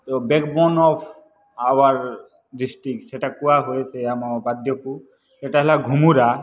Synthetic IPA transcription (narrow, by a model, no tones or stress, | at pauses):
t̪obekbɔnɔpʰ | awaɾ | ɖisʈɾik̚ʈseʈakuaɦojet͡ʃʰeamabad̪ʱjɔku | seʈaɦɛlaɡʱumuɾa